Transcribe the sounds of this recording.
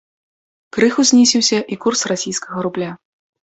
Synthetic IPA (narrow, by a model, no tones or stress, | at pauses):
kɾɨxuzʲnʲisʲiwsʲɐʔikursrasʲijskɐɣɐɾublʲa